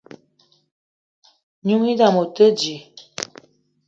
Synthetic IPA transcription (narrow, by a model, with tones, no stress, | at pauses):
ɲu˦ŋi˦da˨mo˨tə˦d͡ʒi˨